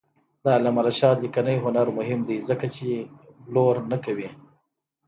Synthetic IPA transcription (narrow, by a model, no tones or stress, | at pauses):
d̪̥ɑlamaɾaʃɑːt̪likanəjɦʊnaɾmʊɦɪmd̪izəkat͡ʃeloɾnakawi